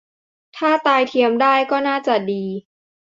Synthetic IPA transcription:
t̪ʰaː˥˩t̪aː˧jt̪ʰi˧əmdaː˥˩jkɔː˥˩naː˥˩t͡ɕa˨˩diː˧

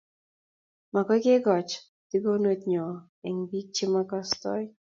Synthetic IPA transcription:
ma˨kɔ˦ke˦ɡɔ˨t͡ʃ | t̪i˦ɡo˦nwet̪ɲɔ˨ | ɛ˨ŋbi˦k̚t͡ʃi˦makɔst̪ɔ̰j

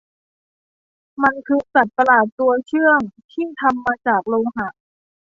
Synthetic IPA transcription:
ma˧nkʰɯː˧sa˨˩t̪̚ːa˧laː˨˩t̪ːu˧ɐt͡ɕʰɯ˥˩əŋt̪ʰiː˥˩t̪ʰa˧mːaː˧t͡ɕaː˨˩k̚loː˧ŋɦa˧˩ʔ

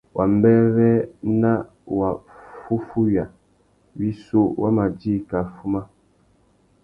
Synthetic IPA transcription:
wʔa˨m̩˦bɛ˦βɛ˦na˦ | wa˨fu˦fu˦ɥja˨ | wi˦so˦wa˦ma˨d͡ʒi˦ka˨fu˦ma˦

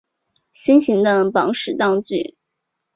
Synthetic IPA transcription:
ɕi˥nɕi˧˥ŋd̪ə˧pɑ˧˥ŋʂɻ̩˨˩t̪ɑ˥˧ŋt͡ɕy̰˥˩

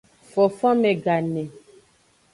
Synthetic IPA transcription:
fɔ˨fɔ̃˦me˨ɡa˨ne˨

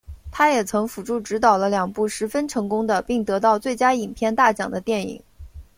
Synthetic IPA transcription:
t̪ʰa˥jɛ˨˩t͡sʰɤ˧˥ŋfu˨˩ʈ͡ʂu˥˩ʈ͡ʂɻ̩˧˥t̪ɑ˨˩ʊlə˦ljɑ˨˩ŋpu˥˩ʂɻ̩˧˥fə˥nʈ͡ʂʰɤ˧˥ŋkʊ˥ŋd̪ə˨pi˥˩ŋt̪ɤ˧˥t̪ɑ˥˧ʊt͡swe˥˩ɪt͡ɕja˥i˨˩ŋpʰjɛ˥˧nt̪a˥˩t͡ɕɑ̰˨˩ŋd̪ə˦t̪jɛ˥˩nḭ˨˩˦ŋ

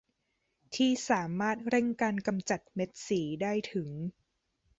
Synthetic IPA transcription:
t̪ʰiː˥˩saː˩˦maː˥˩t̪̚ɾe˥˩ŋkaː˧nka˧mt͡ɕa˨˩t̪̚me˦˥t̪̚siː˩˦daː˥˩jt̪ʰɯ˩˦ŋ

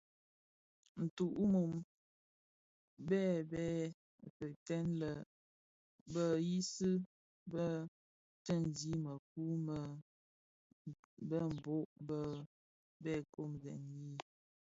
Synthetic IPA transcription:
n̩˨tu˨ʔu˦mu˨m | bɛ˦˨bɛ˦˨ | pə˨tɛ˦nlə˨ | bə˦ji˦sɨ˦ | bə˦ | tə˦˨n˨di˨˦mə˨k̚u˦mə˨ | bə˦m̩˨bo˦ʔbə˦ | bɛ˦˨ko˦˨mɣɛ̰˨nji˦

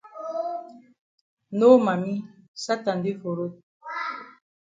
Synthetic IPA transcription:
no˦ma˨mi˦sa˦ta˨nde˦fo˨ɾo˦t̚

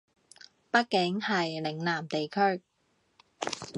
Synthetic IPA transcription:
pɐ˥t̚kɪ˨˥ŋhɐ˨jlɪ˨˩ŋlaː˨˩mt̪e˨jkʰɵ˥ɥ

